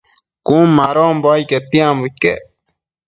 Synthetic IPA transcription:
kũmaɾomboajket̪iãmbuke

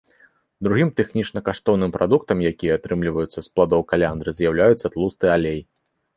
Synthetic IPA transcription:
d̪ɾuɣʲimt̪ɛxnʲit͡ʂnɐkaʂt̪ɔwnɨmpɾad̪uk̚t̪ɐmjakʲijɛat̪ɾɨmlʲivɐjut̪sːɐsplˠad̪ɔwkalʲand̪ɾɨzjawlʲajut̪sːɐt̪lˠust̪ɨalʲej

